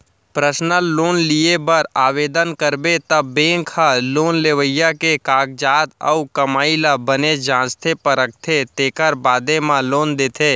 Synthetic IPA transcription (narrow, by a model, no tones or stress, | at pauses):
pɾəsnəloːnliebəɾaːʋeːd̪ənkəɾbet̪əbẽːŋkʰaloːnleːʋəjakekaːk̚d͡ʒaːt̪ə̰ukəmaːilabəned͡ʒãːst̪ʰepəɾək̚t̪ʰet̪eːkəɾbaːd̪emãloːnd̪eːt̪ʰeː